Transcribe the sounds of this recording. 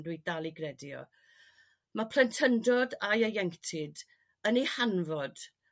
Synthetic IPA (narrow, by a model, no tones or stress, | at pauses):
dwidalˠiɡrɛdjɔ̰ | mapʰlɛntʰəndɔdajəjɛŋtʰɪd | ənihanvɔd̥